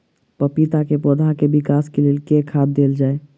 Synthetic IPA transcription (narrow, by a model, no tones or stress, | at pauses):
pəpit̪akepod̪ʱakebikaskelelkekʰad̪̚ːeld͡ʒae